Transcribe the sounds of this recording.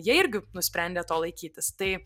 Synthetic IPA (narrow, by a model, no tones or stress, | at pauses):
jiɛɪɾʲɡʲɪnʊsʲpʲɾʲɛnʲd̪ʲeːt̪oːlˠɐɪkʲiːt̪ʲɪst̪ɐɪ